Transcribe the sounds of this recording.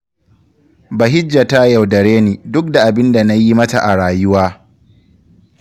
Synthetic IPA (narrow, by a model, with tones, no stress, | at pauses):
ba˨ɦɪ˦d͡ʒːa˨ta˦ja˨wdɐ˨ɽeː˦niː˨dʊ˦k̚da˨ʔa˨bɪ˦nda˨na˦ji˦mɐ˦ta˨ʔa˨ɽaː˨jʊ˦waː˦